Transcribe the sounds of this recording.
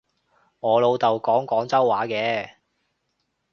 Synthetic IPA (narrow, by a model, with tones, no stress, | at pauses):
ŋɔː˨˧lo˨˧wt̪ɐ˨wkɔː˨˥ŋkɔː˨˥ŋt͡sɐ˥wːaː˨˥kɛː˧